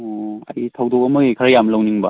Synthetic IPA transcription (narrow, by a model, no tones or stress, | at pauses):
ɔa̰jitʰawdɔkamɯekʰaɾajamlawniŋba